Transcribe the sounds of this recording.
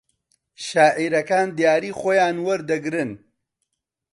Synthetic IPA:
ʃaːʔiːɾɐkaːnd̪jaːɾiːχoːjaːnwɐɾd̪ɐɡɾɨn

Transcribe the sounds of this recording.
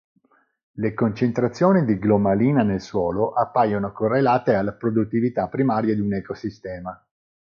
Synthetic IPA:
lekont͡ʃent̪ɾat̪sːjoːnid̪iɡlomaliːnanelswɔːloʔapːajonokorːelaːt̪ealːapɾod̪ut̪ːivit̪apːɾimaːɾjad̪iunɛkosist̪ɛːma

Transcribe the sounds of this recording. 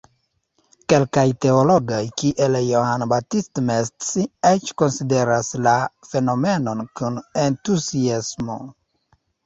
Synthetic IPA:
ke̞lkajte̞olo̞ɡajkiʔeljohanbatistmestsiet͡ʃko̞nside̞ɾaslafe̞no̞me̞no̞nkune̞ntuziasmo̞̰

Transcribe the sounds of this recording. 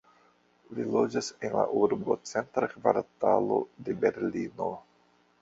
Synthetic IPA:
lilo̞d͡ʒase̞nla̰ʔuɾbo̞t͡se̞nt̪ɾakvaɾtalo̞̰de̞be̞ɾlino̞

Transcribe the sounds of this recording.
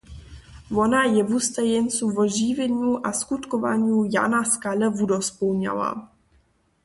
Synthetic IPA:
vonajɛvust̪ajɛnsuvɔʒivɛɲuʔaskut̪kova̰ɲuja̰naskalɛvudospowɲa̰la̰

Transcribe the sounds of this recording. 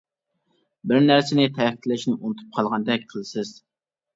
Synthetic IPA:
bɪɾnæɾsɪnɪt̪ʰɛkʲʰt̪ʰlɪʃnɪʔunɨt̪ʰu̥p̚qʰɑlˠʁɑnd̪ɛk̚ʲqʰəlˠɨsɪz̥

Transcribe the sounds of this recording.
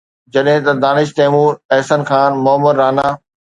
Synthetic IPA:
d͡ʑɐɗɦɪ̃t̪ɐd̪aːnɪʃ̬t̪eːmuːɾɛɦsənxʰaːnmʊɦəməɾːaːnaː

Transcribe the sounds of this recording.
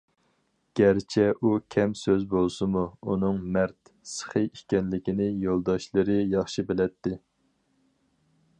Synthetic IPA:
ɡ̥ʲɛɾt͡ʃʰɛʔukʲʰɛmsøzbolˠsɨmuunɨŋmæɾt̪sə̥χɨjikʲɛnlɪkʲinɪjolˠd̪ɑʃlˠɨɾɨjɑχʃibɪlɛt̪ːɪ

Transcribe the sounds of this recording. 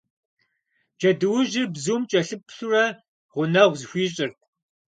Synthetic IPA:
d͡ʒɐdɨwʊʒɪbzuːmt͡ʃʼɐɬɨpʰɬurɐ | ʁʷʊnɐʁʷzxʷiːɕʼɪrtʰ

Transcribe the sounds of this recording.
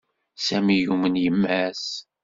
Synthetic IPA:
sæmijumənjəmːæs

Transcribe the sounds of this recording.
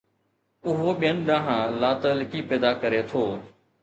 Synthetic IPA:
ʊɦoːɓɪjənɗ̪ãːɦãːlaːt̪əlkiːpɛːd̪aːkəɾeːt̪ʰoː

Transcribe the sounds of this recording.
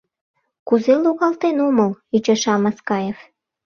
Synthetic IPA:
kuzeluɣɑlt̪enoməlyt͡ɕɑʃɑmɑskɑjef

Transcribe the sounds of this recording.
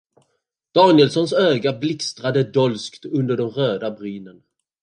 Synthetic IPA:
d̪̥ɑːnɪjɛlsɔnsøːɡablɪkst̪ɾad̪əd̪ɔlskt̪ɵnd̪əɖɔmɾøːd̪abɾyːnən

